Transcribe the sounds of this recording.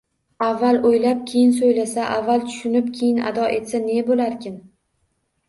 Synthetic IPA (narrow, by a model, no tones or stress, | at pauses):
avːalˠojlap̚kʲʰejɪnsojlasaʔavːalˠt̪ʰʊ̥ʃʊnɪpkʲʰejɪna̰d̪ɒʔe̞t̪sane̞bolaɾkʲʰɪn